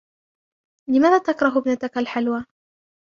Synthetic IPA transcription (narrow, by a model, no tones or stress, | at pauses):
lɪmaːðaːt̪akɾˤɑɦʊbnat̪akalħalwaː